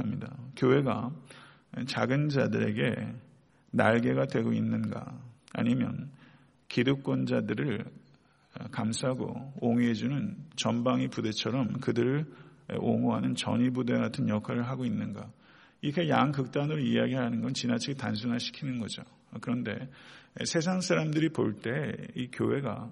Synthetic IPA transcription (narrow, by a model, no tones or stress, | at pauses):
amɲidakjowe̞ɡa | t͡ɕaɡɯnd͡ʑadɯɾe̞̰ɡe̞̰ | naɭɡe̞ɡadwe̞ɡoinːɯnɡa̰a̰ɲimjʌ̰n | kidok̚k͈wʌnd͡ʑadɯɾɯɭ | kamsʰaɦaɡo̰oŋie̞d͡ʑunɯnt͡ɕʌnbaŋipude̞t͡ɕʰʌɾʌmkɯdɯɾɯɭ̰oŋoɦanɯnt͡ɕʌ̰ɲibude̞ɡatʰɯnjʌkʰaɾɯɭɦaɡoinːɯnɡa | iɾʌkʰe̞jaŋkɯk̚t͈anɯɾoijaɡiɦanɯnɡʌnt͡ɕinat͡ɕʰiɡetans̬ʰunɦaɕʰi̥kʰinɯnɡʌd͡ʑo | kɯɾʌnde̞̰sʰesʰaŋsʰaɾamdɯɾipo̰ɭt͈e̞ikjowe̞ɡa̰